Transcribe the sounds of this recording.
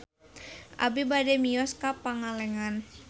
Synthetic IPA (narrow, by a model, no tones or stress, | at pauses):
ʔa̰bibadɛmiɔskapaŋalɛŋan